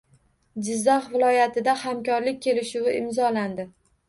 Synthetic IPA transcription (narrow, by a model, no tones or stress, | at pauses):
d͡ʒɪzːaχvɪlˠɒjat̪ɪd̪ahamkʲɒɾlɪk̚ʲkʲʰːe̞lɪʃʊwɪʔɪmzɒland̪ɪ